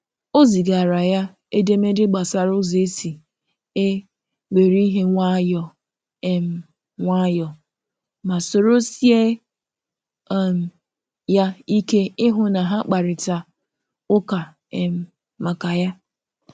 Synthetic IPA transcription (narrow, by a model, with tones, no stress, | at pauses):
o˦zi˨ɡa˨ɾa˨ja˦ | e˦de˦me˦dɪ˦ɡ͡ba˨sa˨ɾʊ˦zi˨e˦si˨ | e˦ | we˨ɾi˦ɦe˦ŋʷa˦jɔ˨ | e˨m̩˨˦ | ŋʷa˦jɔ˨ | ma˨so˨ɾo˦si˦e˦˨ | m̩˨ | ja˦i˦ke˦ɪ˦ɦʊ˦na˨ɦa˦k͡pa˨ɾɪ˨ta˨ | ʊ˦ka˨ | e˨m̩˦ | ma˨ka˨ja˦